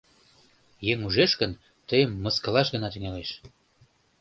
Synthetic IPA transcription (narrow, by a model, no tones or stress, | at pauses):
jeŋuʒeʃkən | t̪əjəmːəskəlɑʃɣənɑt̪yŋeleʃ